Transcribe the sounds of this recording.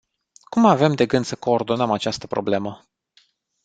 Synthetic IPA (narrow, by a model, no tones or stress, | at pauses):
kumave̞md̪e̞ɡɨnd̪səko̞ːrd̪o̞nəmat͡ʃast̪ə̥pɾo̞̰ble̞mə